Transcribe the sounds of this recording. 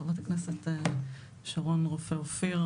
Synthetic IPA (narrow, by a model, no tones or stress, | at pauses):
avat̪akneset̪ | ʃaʁonʁofeofiʁ